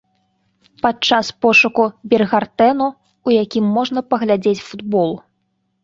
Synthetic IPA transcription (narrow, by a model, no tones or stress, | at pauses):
pat͡ʂaspɔʂukubʲɛrɣart̪ɛnu | ujakʲimːɔʐnɐpɐɣlʲad͡zʲet͡sʲfud̪bɔlˠ